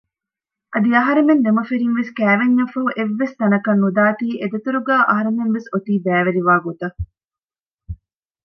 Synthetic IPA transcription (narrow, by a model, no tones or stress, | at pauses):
ʔɐd̪iɐɦɐɾemend̪emɐfeɾinʋeskæːʋeɲːɐfɐuʔeʋːest̪ɐnɐkɐnːud̪aːt̪iːʔed̪ɐt̪uɾuɡæːʔɐɦɐɾemenʋesot̪iːbæːʋeɾiʋaːɡot̪ɐ